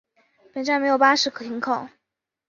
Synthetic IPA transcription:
pe˨˩ʈ͡ʂnme˧˥ɪjo˨˩ʊpa˥ʂɻ̩˧˥kʰɤ˨˩t̪ʰi˧˥ŋkʰɑ˥˩ʊ

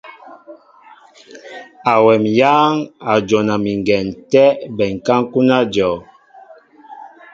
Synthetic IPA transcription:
a˨wɛ˨mjaː˦ŋa˨d͡ʒɔ˨na˨mi˨ŋ˨ɡɛ˨ntɛ˦bɛ˨ŋ̩˨ka˦ŋ˦ku˦na˦d͡ʒɔ˨

